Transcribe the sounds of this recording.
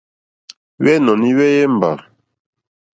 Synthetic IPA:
ɥɛ˦nɔ˨ni˦ɥɛ˦jɛ˦m˨ba̰˨

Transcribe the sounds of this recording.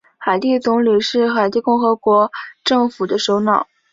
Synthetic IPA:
xa˨˩ɪt̪i˥˩t͡sʊ˧˥ŋli˨˩ʂɻ̩˥˩xa˨˩ɪt̪i˥˧kʊ˥˩ŋxɤ˧˥kwɔ˧˥ʈ͡ʂɤ˥˩ŋfu˨˩d̪ə˦ʂo˧˥ʊnɑ˨˩˦ʊ

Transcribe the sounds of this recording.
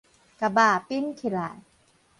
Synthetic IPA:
ka˨˧baː˨˩pi˦˥nkʰi˨ɾaː˨˩˨

